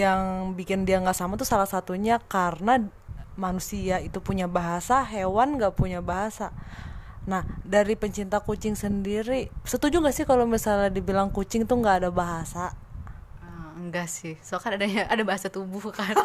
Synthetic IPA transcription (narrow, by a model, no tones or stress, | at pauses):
jaŋbikɪndiaŋɡaʔsamat̪usalahsat̪uɲakarna | manusiait̪upuɲabaɦasaɦewanŋɡaʔpuɲabaɦasa | nahdaɾipəɲt͡ʃint̪akut͡ʃɪŋsəndiɾisət̪ud͡ʒuŋɡaʔsɪhkalomisalɲadibilaŋkut͡ʃɪŋt̪uŋɡaːdabaɦasa | əŋɡaʔsɪhsoakanadaɲaʔadabaɦasat̪ubʊhkan